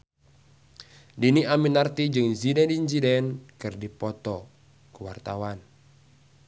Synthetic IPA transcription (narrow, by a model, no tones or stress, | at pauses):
diniaminart̪id͡ʒɨŋzidɛndinsidɛnkɨrdipɔt̪ɔ | kuwa̰rt̪awan